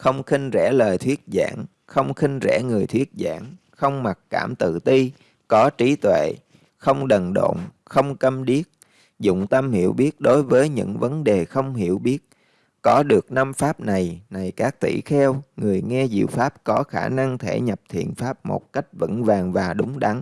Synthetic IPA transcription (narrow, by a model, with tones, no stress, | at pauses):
xə˧wŋ͡mxï˧ŋ̟zɛ̰˧˥˩ləː˨˩jt̪ʰwi˦˥ət̚za̰ː˧˨ŋ | xə˧wŋ͡mxï˧ŋ̟zɛ̰˧˥˩ŋɨ˨˩əjt̪ʰwi˦˥ət̚za̰ː˧˩ŋ | xə˧wŋ͡mma˨˩t̚ka̰ː˧˩mt̪ɨ̰˧˨t̪i˧ | kɔ˨˦t͡ɕi˨˦t̪wḛ˧˨ | xə˧wŋ͡mɗə˨˩nɗo̰˧˨ŋ͡m | xə˧wŋ͡mkə˧mɗi˦˥ət̚ | zʊ̰˧˨ŋ͡mt̪ə˧mhḭ˧˩əwɓi˦˥ət̚ɗo˨˦jvəː˨˦jɲɨ̰˧˥ŋvə˨˦nɗe˨˩xə˧wŋ͡mhi˧˩˨əwɓi˦˥ət̚ | kɔ˨˦ɗɨ˨˩ək̚na˧mfaː˦˥p̚na˨˩jna˨˩jkaː˦˥k̚t̪ḭ˧˨xɛ˧wŋɨ˨˩əjŋɛ˧zḭ˧˨wfaː˦˥p̚kɔ˨˦xaː˧˩na˧ŋt̪ʰe˧˩ɲə˨˩p̚t̪ʰḭ˧˨ənfaː˦˥p̚mo̰˨˩t̚ka˦˥jk̟̚və̰˧˥nvaː˨˩ŋvaː˨˩ɗʊ˨˦ŋ͡mɗa˨˦ŋ